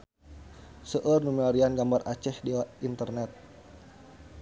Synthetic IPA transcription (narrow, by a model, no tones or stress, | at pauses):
səʔərnumilaɾianɡambarʔat͡ʃɛhdiaint̪ərnɛt̪̚